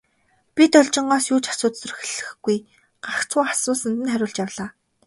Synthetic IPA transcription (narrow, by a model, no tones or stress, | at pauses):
pʲit̪ɔɮt͡ɕɪ̆ɴɢɔːsjuːt͡ɕḁsʊːt̪sɵ̆rxɮɘ̆xɡuj | ɢ̥axt͡sʊːḁsʊːsə̆nt̪ɘ̆nχæɾʲʊːɮt͡ɕjawɮaː